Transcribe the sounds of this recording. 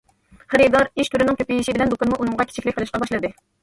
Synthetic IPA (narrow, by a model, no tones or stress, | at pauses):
χæɾid̪ɑɾiʃt̪ʰyɾɪnɪŋkʲʰøpijiʃɪbɪlɛnd̪okɑnɨmuʔunɨŋʁɑkʲʰe̥t͡ʃʰikʲlɪkʲqʰəlˠɨʃqɑbɑʃlˠɨd̪ɨ